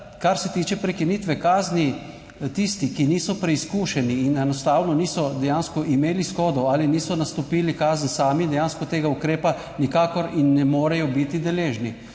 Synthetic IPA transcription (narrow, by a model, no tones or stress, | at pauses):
kaɾsɛt̪iːt͡ʃɛpɾɛkiniːt̪ʋɛkaːzni | t̪ist̪ikiniːsɔpɾɛiskuːʃɛniːnɛnɔst̪aːwnɔniːsɔd̪ɛjaːnskɔʔimeːlisxɔːd̪ɔaliniːsɔnast̪ɔpiːlikaːzn̩saːmid̪ɛjaːnskɔt̪eːɡaukɾeːpa | nikaːkɔɾinːɛmoːɾɛjɔbit̪id̪ɛleːʒni